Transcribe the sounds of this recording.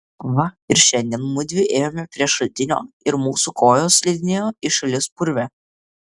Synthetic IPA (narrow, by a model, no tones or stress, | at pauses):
ʋɐɪɾʃʲɛnʲd̪ʲiɛnmʊd̪ʲʋʲɪʔeːjoːmʲɛpʲɾʲiɛʃɐlʲt̪ʲɪnʲo̰ː | ɪɾmuːsukʰoːjoːslʲid̪ʲɪnʲeːjoːɪʃɐlʲɪspʊɾʲʋʲɛ